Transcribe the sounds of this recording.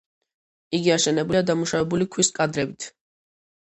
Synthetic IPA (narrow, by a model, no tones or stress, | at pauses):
iɡiaʃɛnɛbuliad̪amuʃavɛbulikʰwiskʼad̪ɾɛbit̪ʰ